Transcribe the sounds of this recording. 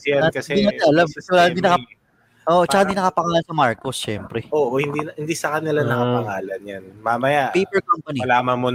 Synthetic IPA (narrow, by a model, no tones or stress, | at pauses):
jakɐsɛimɐt̪ɛɐlamkɐsɛwɐlaːhɪnd̪inɐka | ʔoːʔot͡ʃɐaɪnd̪inɐkapɐŋaːlɐnsɐmaɹkosʃɛmpɾɛʔoːʔohɪnd̪inhɪnd̪isɐkɐnɪlanɐkɐpɐŋaːlɐnjanmamɐjaʔpejpɛɹkompɐnilaːmɐnmo